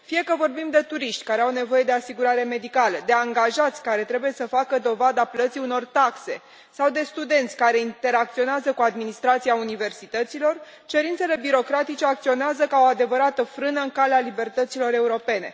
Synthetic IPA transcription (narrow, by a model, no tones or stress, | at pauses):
fije̞kəvo̞rbimd̪e̞t̪uɾiʃt̪ʲkaɾeawne̞vo̞je̞d̪e̞asiɡuɾaɾe̞me̞d̪ikaləd̪e̞aŋɡaʒat̪sʲkaɾe̞t̪ɾe̞buje̞səfakəd̪o̞vad̪aplət̪siuno̞rt̪akse̞ | sawd̪e̞st̪ud̪e̞nt̪sʲkaɾe̞int̪e̞ɾak̚t̪sio̞neazəkuad̪minist̪ɾat̪siaunive̞rsit̪ət̪silo̞r | t͡ʃe̞ɾint̪se̞le̞biɾo̞kɾat̪it͡ʃe̞akt̪sio̞neazəkao̞ad̪e̞vəɾat̪əfɾɨnəɨŋkalealibe̞rt̪ət̪silo̞ɾe̞uɾo̞pe̞ne̞̰